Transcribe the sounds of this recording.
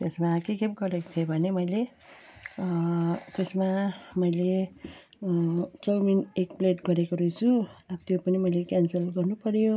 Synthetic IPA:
t̪esmakekepɡʌɾekt͡sʰʌbʱʌnemʌjle | t̪esmamʌjle | t͡sʌwminekpleʈɡʌɾekoɾujt͡sʰuabt̪jopʌnimʌjlekansʌlɡʌrnupʌɾjo

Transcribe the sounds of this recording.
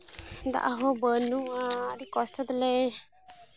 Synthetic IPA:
d̪a̰ʔaɦobənuaɾikɔst̪əd̪le

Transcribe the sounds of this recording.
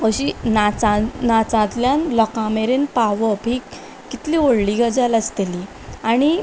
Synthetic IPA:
əɕinat͡sanat͡sãt̪ljanlɔkãmeɾenpaʋəpiːkː | it̪lioɽliɡəd͡ʑaləst̪eli | aɽ̃i

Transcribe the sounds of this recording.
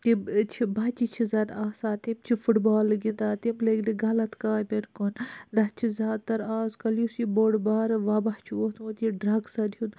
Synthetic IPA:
t̪it͡ʃʰibɐːt͡ʃit͡ʃʰizɐːd̪aːsaːt̪imt͡ʃʰifuʈbaːlɡind̪aːt̪imleɡd̪iɡɐlɐt̪kaːbʲeɾkund̪ɐt͡ʃʰizʲaːd̪t̪ɐɾaːzkɐlusiboːɽbaːɾʋaːbɐht͡ʃʰiot̪ũːt̪iɖɾɐɡsɐd̪jun

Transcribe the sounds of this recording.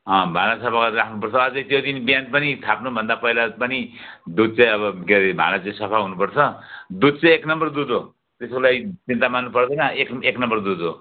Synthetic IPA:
ʌ̃bʱanasʌpʰakɾakʰnupʌrt͡sʰʌːd͡zʌjt̪jod̪inbijanpʌnit̪ʰapnubʱʌnd̪apʌilapʌnid̪ud̪̚t͡saj̃ʌβʌɡebʱa̰nat͡saj̃sʌpʰaɦunupʌrt͡sʰʌd̪ud̪̚t͡sʌ̃eknʌmbʌrd̪ud̪o | t̪eskolajt͡sint̪amanːupʌrd̪ʌnʌekeknʌmbʌrd̪ud̪o

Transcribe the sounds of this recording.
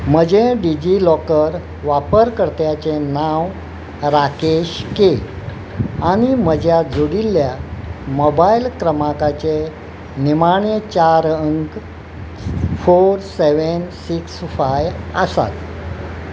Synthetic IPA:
m̤əd͡ʑẽɖid͡ʑilɔkəɾ | ʋapəɾkəɾt̪jat͡ɕenaʋ | ɾakeɕke | aɽ̃im̤əd͡ʑjad͡zoɽilːjamɔbailkɾəmakat͡ɕe | nimaɳet͡ɕaɾəŋk | foɾseʋənsiksfajəsa̰t̪

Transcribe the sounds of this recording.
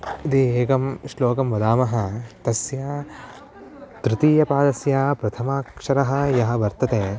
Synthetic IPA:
id̪ieːɡɐmʃloːkɐmʋɐd̪aːmɐɦɐ̆t̪ɐsjaː | t̪ɾɪt̪iːjɐpaːd̪ɐsjaːpɾɐt̪ʰɐmaːkʂɐɾɐɦɐ̆jɐɦɐ̆ʋɐɾt̪ɐt̪eː

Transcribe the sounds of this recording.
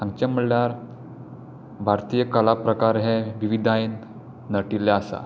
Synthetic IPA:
ãŋɡ̚t͡ɕaməɭljaɾ | bʱaɾt̪ijəkəlapɾəkaɾɦɛʋiʋid̪ʱain | nəʈiljaasa̰

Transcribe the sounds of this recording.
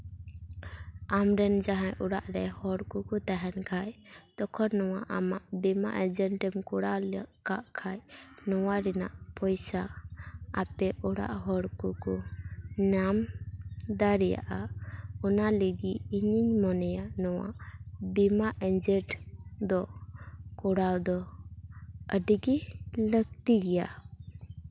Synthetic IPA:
amɾɛnd͡ʒaɦajʔɔɽaʔɾɛhɔɽkukɔt̪aɦɛnkʰajd̪ɔkʰɔnːɔwaʔamaʔbimaʔɛd͡ʒɛnʈɛmkɔɽalkaʔkʰajnɔwaɾɛna̰ʔpʰɔjsa | a̰pɛʔɔɽa̰ʔɦɔɽkukɔnam | d̪aɾɛja̰ʔaɔnaləɡiiɲiɲmɔnɛjaʔnɔwa̰ʔbimaʔɛd͡ʒɛʈd̪ɔ | kɔɽawd̪ɔ | əɖɡiləɡ̚t̪iɡɛja

